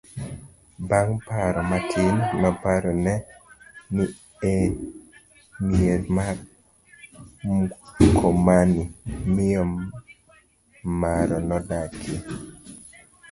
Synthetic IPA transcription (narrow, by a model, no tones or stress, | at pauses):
baŋpaɾɔmatʰɪnnɔpaɾɔnɛ | ni | e | mieɾma | kʰomanimɪjɔ | maɾɔnɔdake